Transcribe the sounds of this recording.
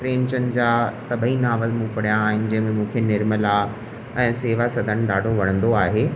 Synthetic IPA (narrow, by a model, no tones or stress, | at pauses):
pɾeːmt͡ɕənɪ̆d͡ʑaːsɐbʱəinaːʋəzmũːpɐɽijaːɦɪnɪ̆d͡ʑɐ̃ɦɪ̃mẽmũːkʰenɪɾməla | ɛ̃ːseːʋasɐd̪ʱənɪ̆ɗaːɖʱoʋɐɽ̃ə̃nd̪oaːɦeː